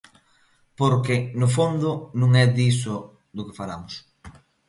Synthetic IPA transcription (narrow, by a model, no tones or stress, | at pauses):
poɾkɪnʊfond̪ʊnũŋɛd̪isʊ | d̪ʊkɪfalamʊs